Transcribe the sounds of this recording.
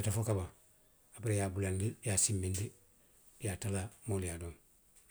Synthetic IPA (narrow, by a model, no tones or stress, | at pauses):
atafokaba | apiɾejaːbulandijasimːindi | jaːtalamoːlijaːdom